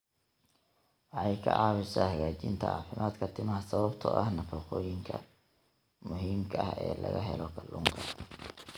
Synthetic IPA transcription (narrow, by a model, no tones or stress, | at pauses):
wɑħɑjkʰɐ̰ʕɑːwɪsahɐɣaːt͡ʃɪnt̪ʰɐʔɑ̰ːfɪmʔaːd̪kʰɐt̪ʰɪmɐɦɐsɐβɐbt̪ʰɔ̰ʔɐ̰hnɐfɐːqɔːjɪŋkʰɐ | mʊɦiːmkʰɐʔhɛ̰ːlɐ̰ɣɐ̰ɦɛ̰lɔkʰɐlːʊːŋkʰɐ